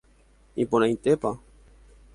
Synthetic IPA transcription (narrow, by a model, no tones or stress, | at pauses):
iponãjt̪epa